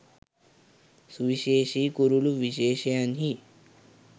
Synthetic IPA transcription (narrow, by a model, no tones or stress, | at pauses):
suʋiʃeːʃiːkuɾuluʋiʃeːʃejanɦi